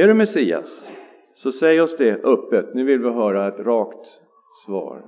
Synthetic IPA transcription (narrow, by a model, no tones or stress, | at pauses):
æɖɵmɛsiːa̰s | sɔsɛjːɔsd̪ɛʔɵpːət̪nʉ̟ːvɪlvɪɦœːɾaɛt̪ɾɑːkt̪ | svɑ̰ːɾ